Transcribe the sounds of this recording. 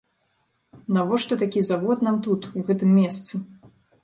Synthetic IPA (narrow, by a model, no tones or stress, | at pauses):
navɔʂt̪ɔt̪akʲizaɣɔt̪namt̪ut̪uɣɛt̪ɨmːʲɛst̪sɨ